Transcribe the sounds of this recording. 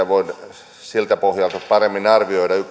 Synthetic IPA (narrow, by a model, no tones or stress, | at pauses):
æʋoin | silt̪æpohjɑlt̪otpɑremːinɑrʋioidɑyk